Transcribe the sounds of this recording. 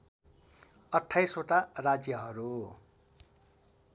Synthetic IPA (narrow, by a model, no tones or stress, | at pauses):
ʌʈʰːajsoʈarad͡zjʌɦʌɾu